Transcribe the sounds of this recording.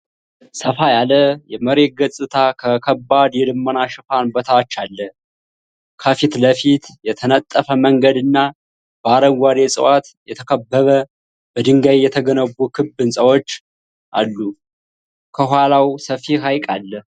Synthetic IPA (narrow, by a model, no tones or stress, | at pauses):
səfajaləjɛməɾe̞t̪̚ɡəsʼɨt̪ʰakʰəkʰəbːad̪jɛlɨmːənaʃɨfanbət̪ʰat͡ʃːalːə | kʰəfit̪ləfit̪jɛt̪ʰənət̪ʼːəfəməŋɡəd̪ɨnːa | b̥əaɾəɡaɾesʼɨ̰wat̪jɛt̪ʰəkʰəbːəβə | bəd̪ɨŋɡajjɛt̪ʰəɡənəβukʰɨbːɨnsʼəwo̞t͡ʃː | ʔa̰lːu | kʰəɦʷwalawsəfiɦajkʼalːə